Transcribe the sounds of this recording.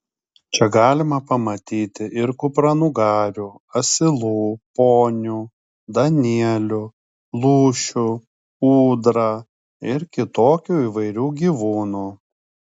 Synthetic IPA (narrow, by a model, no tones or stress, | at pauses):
t͡ʃʲɛɡɑːlʲɪmɐpɐmɐt̪ʲiːt̪ʲɪʔɪɾkʊpɾɐnuɡɑːɾʲuːɐsʲɪlˠuːpoːnʲuː | d̪ɐnʲiɛlʲʊ | lˠuːʃʲʊ | uːd̪ɾɑ | ɪɾkʲɪt̪oːkʲuːiːʋɐɪɾʲuːɡʲiːʋuːnuː